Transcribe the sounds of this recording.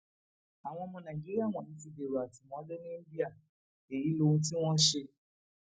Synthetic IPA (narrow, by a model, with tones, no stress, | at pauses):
a˨w̃ɔ̃˧mɔ̃˦nã˨ɡi˦ɾi˦a˦˨w̃ɔ̃˨i˧ti˧de˨ɾo˨a˨tu˨mɔ̃˨˦le˦nĩ˦n̩˦bi˦a˦˨ | e˨ji˨˦lo˦ũ˦ti˦w̃ɔ̃˦ʃe˧